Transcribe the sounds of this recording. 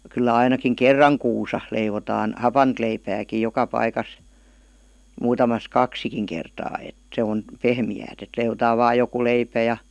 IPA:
kylːæ ɑinɑkiŋ kerːɑŋ kuːsɑ leiʋotɑːn hɑpɑnt leipæːkij̆ jokɑ pɑikɑs muːtɑmɑs kɑksikiŋ kertɑː et se on pehmiæːt et leiʋotɑː ʋɑːj̆ joku leipæ jɑ

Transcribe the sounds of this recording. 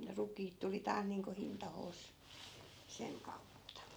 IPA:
rukiːt tuli tɑːs niːŋko hintɑhoːs seŋ kɑutːɑ

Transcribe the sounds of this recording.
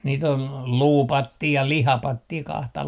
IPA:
niːt on luːpɑtːiː jɑ lihɑpɑtːiː kɑhtɑ

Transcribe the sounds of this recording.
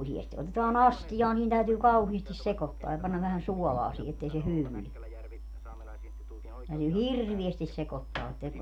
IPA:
usiesti otetɑːn ɑstijɑː niːn tæytyː kɑuhiːstis sekotːoɑ jɑ pɑnːɑ ʋæhæn suɔlɑː siː etːei se hyːwy ni tæytyː hirːʋiestis sekotːɑː etːæ

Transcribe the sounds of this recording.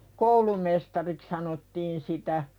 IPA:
koulumestɑrik sɑnotːiːn sitæ

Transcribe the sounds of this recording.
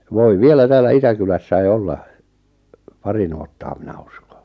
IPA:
ʋoi ʋielæ tæːlːæ itækylæsːæi olːɑ pɑri nuotːɑː minæ u̥sko̥

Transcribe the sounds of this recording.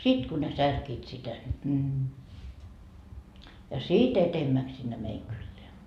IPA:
sit ku ne særkiːt sitæ nʲi jɑ sit etemːæks sinːe meiŋ kylːeæ

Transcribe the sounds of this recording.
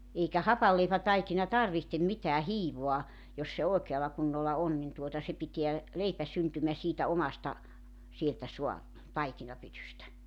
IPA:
eikæ hɑpɑlːeipætɑikinɑ tɑrʋihtem mitæː hiːʋoɑ jos se oˑekeɑlɑ kunːolːɑ on nin tuotɑ se piteæ leipæ syntymæ siːtæ omɑstɑ sieltæ suɑ tɑikinɑpytystæ

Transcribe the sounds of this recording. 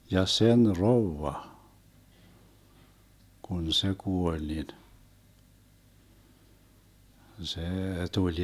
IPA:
jɑ sen roʋːɑ kun se kuolʲ nin seː tulʲ

